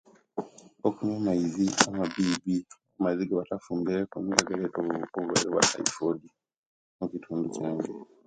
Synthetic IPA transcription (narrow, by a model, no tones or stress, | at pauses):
okumemaiziamabibi | amaiziɡaβatafuːmbiɾekumiɡaɡaleʔoβoβuβaleβwa̰ta̰ifodi | mukitʰuːnducaːɲɟe